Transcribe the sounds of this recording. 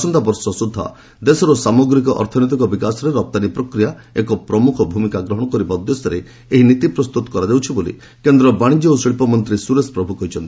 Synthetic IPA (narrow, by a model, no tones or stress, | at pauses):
sɔnd̪abɔɾsɔsud̪ʱːa̰ | d̪esɔɾɔsamoɡɾik̬ɔʔɔ̰ɾt̪ʰɔnɔt̪̬ikɔbikasɔɾeɾɔp̚t̪anipɾɔkɾijaekɔpɾɔmukʰɔbʱumikaɡɾɔɦɔɽ̃ɔkɔɾibad̪jɔsɔɾe | eɦinit̪ipɾɔst̪ut̪ɔ̥kɔɾad̪ewt͡ʃʰibolḭ | kend̪ɾɔbaɽ̃id͡ʒɔosɭipɔmɔnt̪ɾisuɾespɾɔbʱukɔɦit͡ʃʰɔnt̪i̥